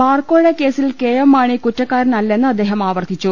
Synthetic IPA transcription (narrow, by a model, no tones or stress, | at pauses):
baːrkoːɭekːe̞ːsilkejɐmːaːɳikutːɐkːaːɾnɐlːe̞nːɨɐd̪ːeːɦɐmaːʋɐrt̪ʰːit͡ɕːu